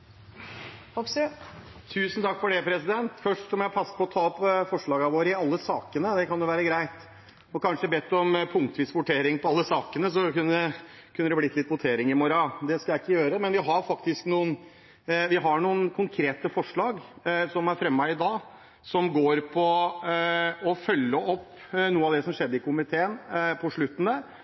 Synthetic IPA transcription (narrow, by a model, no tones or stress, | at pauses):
ɔpst̪ʰʉːsnt̪ʰɑkːfɔɖɛpʰɾɛsɪd̪ɛnt̪fœʂʈɔmjæɪpʰɑsːə̥pʰɔɔt̪ʰɑːɔpːfɔʂɭɑːɡɑʋoːɾəɪɑlːəsɑːkənəd̪ɛkʰɑnd̪ʊʋæːɾəɡɾæɪt̪ | ɔkɑnʂəbɛt̪ːɔmpʰʊŋk̚t̪ʋiːsʋʊʈʰeːɾɪŋpʰɔɑlːəsɑːkənəsɔkʉnːəə | kʰʉnːəd̪ɛblɪt̪ʰːlɪt̪ːʋʊt̪ʰeːɾɪŋɪmɔɾɑd̪ɛskɑjæɪɪkːəjøːɾəmɛnʋɪɦɑɾfɑk̚t̪ɪsknuːən | ʋɪɦɑɳuːənkʰʊŋkʰɾeːt̪əfɔʂɭɑːɡsɔmæɾfɾɛmːæɪɪd̪ɑː | sɔmɡoːɾpʰɔ | ɔfœlːəʔɔpː | nuːəɑʋd̪ɛsɔmʂɛd̪ːəɪkʰʊmɪt̪ʰeːənpʰɔʂɭʉt̪ːənə